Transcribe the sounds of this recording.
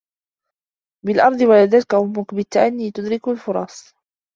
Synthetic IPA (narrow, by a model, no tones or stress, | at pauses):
bɪlʔɑɾˤd̪ˤɨwalad̪aːt̪kaʔʊmːʊkbɪt̪ːaʔanːiːt̪ʊd̪ɾɪkalfʊɾˤɑsˤ